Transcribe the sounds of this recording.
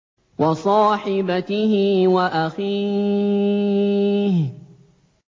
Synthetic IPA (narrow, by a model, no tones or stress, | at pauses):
wɑsˤɑːħɪbat̪ɪhɪwaʔaxiː | h